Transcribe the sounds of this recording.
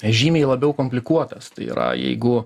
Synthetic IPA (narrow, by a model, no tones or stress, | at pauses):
ʒʲiːmʲeːlˠɐbʲɛʊkomʲpʲlʲɪkuɔt̪ɐst̪ɐɪḭɾɐ̰jɛ̰ɪɡʊ